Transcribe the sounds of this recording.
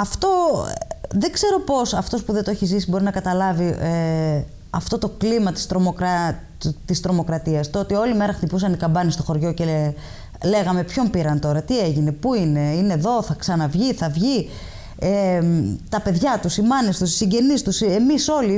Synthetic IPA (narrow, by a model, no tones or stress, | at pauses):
ɐft̪o̞ | ðe̞ɡze̞ɾo̞po̞sɐft̪o̞spuðet̪oeçizisibo̞ɾinɐkɐt̪ɐlɐvie | ɐft̪o̞t̪o̞klimɐt̪i̥st̪ɾo̞mokɾɐ | t̪ist̪ɾo̞mo̞kɾɐt̪iɐst̪oot̪io̞lime̞ɾɐxt̪ipusɐnikɐmbɐnist̪o̞xo̞ɾʝo̞ce | le̞ɣɐme̞pço̞mpiɾɐnt̪o̞ɾɐt̪ieʝine̞puine̞ine̞ðo̞θɐksɐnɐvʝiθɐvʝi | et̪ɐpe̞ðʝɐt̪usimɐnist̪usi̥siɲɟe̞nist̪use̞miso̞li